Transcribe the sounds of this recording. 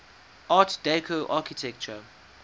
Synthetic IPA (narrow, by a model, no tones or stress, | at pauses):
ʔaːtd̥ekʰoʔaːkitʰɛk̚t͡ʃə